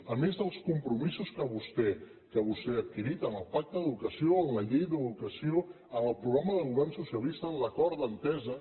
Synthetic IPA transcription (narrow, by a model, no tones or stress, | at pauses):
əmezðəlˠskumpɾumizuskəβust̪ɛ | kəβust̪ɛət̪̚kiɾit̪ənəlˠpak̚t̪əəðukəsioənləʎejðəðukəsio | ənəlˠpɾuɣɾaməðəlˠɣuβ̞ɛrnsusiəlist̪ələkɔɾdənt̪ɛzə